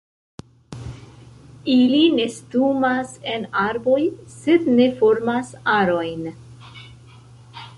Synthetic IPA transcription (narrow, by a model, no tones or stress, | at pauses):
iline̞stumase̞naɾbo̞jse̞dne̞fo̞ɾmasaɾo̞jn